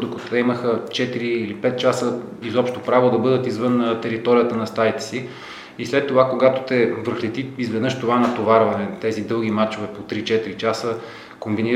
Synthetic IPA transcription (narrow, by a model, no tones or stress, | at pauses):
d̪okot̪t̪ɛiməxət͡ʃɛt̪iɾiːlipɛt̪̚t͡ʃasə | izɔpʃt̪opɾavod̪ɐbɤd̪ət̪izvɤnt̪ɛɾit̪ɔɾijət̪ənɐst̪ajit̪ɛ̥si | islɛt̪ːovakoɡat̪o̥t̪ɛvəɾxlɛt̪iizvɛd̪nɤʃt̪ovanɐt̪ovaɾvɐnɛt̪ɛzid̪ɤlˠɡ̟ʲimat͡ʃovɛpot̪ɾit͡ʃɛt̪iɾit͡ʃasə | kombiniɾ